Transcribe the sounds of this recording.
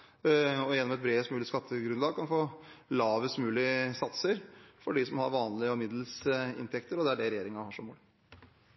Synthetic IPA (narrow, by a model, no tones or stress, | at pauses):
ɔjɛnːɔmɛt̪̚bɾeːst̪mʉːlɪskɑt̪ʰːəɡɾʉnlɑːɡ̚kʰɑnfoːlɑːʋəst̪mʉːlɪəsɑt̪səɾfɔɖɪsɔmhɑ̰ɾʋɑːnlɪəɔmɪd̪l̩sɪ̰nt̪ʰɛkt̪əɾɔd̪ɛæɖɛɾɛjeːɾɪŋɑhɑʂɔmuːlɪ